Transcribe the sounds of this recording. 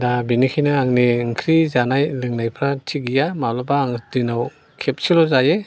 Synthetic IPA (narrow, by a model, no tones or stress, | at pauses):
dabinikʰijnaːŋniŋkʰɾizanajlɯŋnajpʰɾatʰiɡijamalabaːŋdinaw | kʰep̚silɔzaje